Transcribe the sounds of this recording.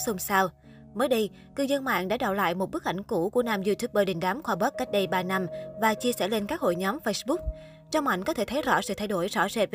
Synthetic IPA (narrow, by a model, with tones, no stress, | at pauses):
sə˧ŋ͡msaː˧w | məː˨˦jɗə˧j | kɨ˧zə˧nma̰ː˧˨ŋɗa̰ː˧˥ɗa̰ː˧˨wla̰ː˧˨jmo˨˩t̚ɓɨ˦˥ək̚ʔa̰˧˩jŋ̟ku˧˩ku˧˩ənaː˨˩mzi˧t̪ʰu˦˥p̚ɓəː˨˩ɗi˨˩ŋ̟ɗaː˨˦mxwaː˧˩ɓəː˦˥t̚kːa˦˥k̟̚ɗə˧jɓaː˧˩na˧mvaː˨˩t͡ɕi˧əsɛ̰˧˥˩le˧nkaː˦˥k̚ho̰˧˨jɲɔ˨˦mfə˧jsɓu˦˥k͡p̚ | t͡ɕɔ˧wŋ͡mma̰˧˨jŋ̟kɔ˨˦t̪ʰe˧˩t̪ʰə˨˦jzɔ̰˧˥sɨ̰˧˨t̪ʰa˧jɗo˧˩jzɔ̰˧˥sɛ˨˩t̚v